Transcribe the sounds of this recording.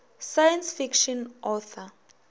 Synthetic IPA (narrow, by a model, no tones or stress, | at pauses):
sajãnsfikʃɔ̃nʔɔθɔ